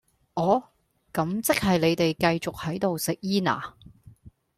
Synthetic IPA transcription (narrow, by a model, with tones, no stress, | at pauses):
ʔɔː˨˥ | kɐ˨˥mt͡sɪ˥k̚hɐ˨jle˨˧jt̪e˨jkɐ˧jt͡sʊ˨k̚hɐ˨˥jt̪o˨wsɪ˨k̚jiː˥na̰ː˨˩